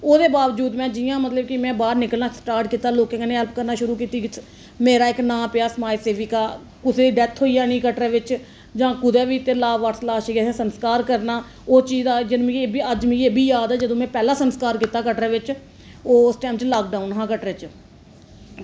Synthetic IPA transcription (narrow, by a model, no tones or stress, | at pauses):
oːd̪eːbaːʋəd͡ʒuːd̪mɛ̃ːd͡ʒɪjãːmət̪ləb̚kɪmɛ̃ːbaːɾnɪkəlnaːsʈaːɾʈkiːt̪aːloːkẽːɡaːneːɦɛlp̚kəɾnaːʃʊɾuːkiːt̪iː | meːɾaːɪknãːpɪjaːsəmaːiseːʋiːkaː | kʊseːd̪iɖɛt̪ʰɦoːijaːnĩːkəʈɾɛːʋɪt͡ʃ | d͡ʒãːkʊd̪ɛːʋiːt̪eːlaːʋaːʈslaːʃiːɡɛɛ̃ːsənskaːɾkəɾnaː | oːt͡ʃiːzaːd͡ʒɪnmĩbiəd͡ʒmĩːebʱiːjaːd̪ɛːd͡ʒəd̪õːmɛ̃ːpɛːlaːsənskaːɾkiːt̪aːkəʈɾaːʋɪt͡ʃ | oːʊsʈɛːmt͡ʃlaːk̚ɖaːʊnɦãːkəʈɾet͡ʃ